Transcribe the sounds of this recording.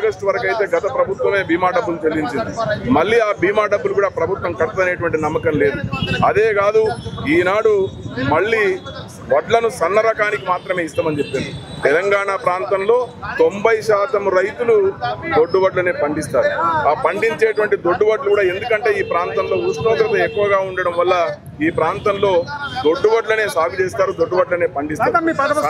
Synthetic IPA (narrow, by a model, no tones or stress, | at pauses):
ɐɡɐʂʈuʋɐɾɐkɐjt̪e̞ːɡɐt̪ɐpɾɐbʱut̪ʋɐme̞ːbiːmaːɖɐbːulut͡ʃelːiɲt͡ʃind̪imɐɭːiːaːbiːmaːɖɐbːulukuːɽaːpɾɐbʱut̪ʋɐmkɐʈt̪ːɐneːʈuʋɐɳʈinɐmːɐkɐmle̞ːd̪uɐd̪e̞ːɡaːd̪uiːnaːɽumɐɭːiː | ʋɐɖlɐnusɐnːɐɾɐkaːnikimaːt̪ɾɐme̞ːist̪aːmɐnit͡ʃe̞pːind̪i | t̪ɛlɐŋɡaːɳaːpɾaːnt̪ɐmlo̞ːt̪o̞mbɐjʃaːt̪ɐmɾɐjt̪ulud̪oɖːubɐɖlɐne̞ːpɐɳɖist̪aːɾupɐɳɖiɲt͡ʃeːʈuʋɐɳʈid̪o̞ɖːubɐɖlukuːɽaːe̞nd̪ukɐɳʈe̞ːiːpɾaːnt̪ɐmlo̞ːusnoːɡɾɐt̪ɐekːuʋɐɡaːuɳɖɐɽɐmʋɐlːɐ | iːpɾaːnt̪ɐmlo̞ːd̪o̞ɖːubɐɖlɐne̞ːsaːbit͡ʃeːst̪aːɾud̪o̞ɖːubɐɖlɐne̞ːpɐɳɖist̪aː